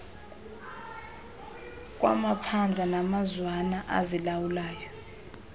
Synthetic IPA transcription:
k̬ʼwa̰mapʰand͡ɮʱanamazwanaʔa̰zilawulaːjɔ

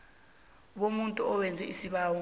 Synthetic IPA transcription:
ɓomuntʼuɔwɛnd͡zʱɛisiɓaːwɔ

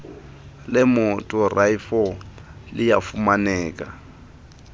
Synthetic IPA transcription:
lɪmʊtʼʊrʔaifɔ | lɪjafumanɛːkʼa

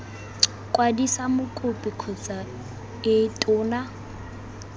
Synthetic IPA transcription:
kʼwadisamʊkʼʊpʼikʰɔt͡sʼa | ɪtʼʊːna

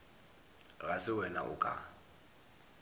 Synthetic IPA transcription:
ɣasɪwɛna̰ʔʊ̰kʼa̰

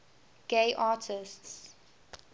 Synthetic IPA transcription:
ɡ̥eɪʔaːtʰɪsts

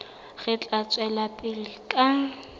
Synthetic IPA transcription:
ɣɪt͡ɬʼat͡sʼwɛlapʼɪlɪkʼa

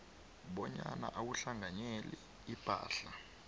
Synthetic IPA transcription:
ɓɔɲanaʔawuɬaŋaɲɛli | ipa̰ːɬa

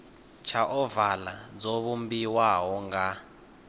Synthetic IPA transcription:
t͡ʃʰaʔɔvalad͡zɔβumbiwaɦɔŋɡa

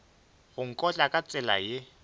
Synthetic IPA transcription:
ɣʊŋ̩kʼɔt͡ɬʼakʼat͡sʼɪla̰je

